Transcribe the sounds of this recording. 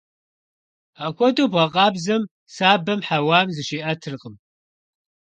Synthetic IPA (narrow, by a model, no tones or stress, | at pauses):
aːkʷɔdoːbʁɐqʼɑːbzɐm | saːbɐmħawaːmzɨʃeːʔɐtʰɨrqʼəm